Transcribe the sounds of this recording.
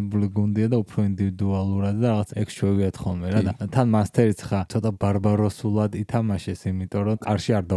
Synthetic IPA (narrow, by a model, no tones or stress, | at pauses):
buliɡund̪iad̪aupʰɾɔind̪ivid̪ualˠuɾad̪d̪aɾaʁat̪sʰɛkʃɔviat̪ʰχɔlˠmɛɾadd̪at̪ʰanmanst̪ʰɛɾit̪sʰχat̪ʰɔt̪ʼabaɾbaɾɔsulˠad̪it̪ʰamaʃɛsimit̪ʼɔɾɔk̪ʼaɾʃiaɾd̪a